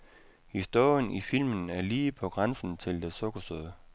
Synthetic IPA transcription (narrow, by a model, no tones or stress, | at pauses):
hisd̥o̝ɐjənʔifil̰mənæɐliːpʰɒ̽ɡ̥ʁansn̩t͡sʰe̝ld̥esɔɡ̥ɐsøðˠ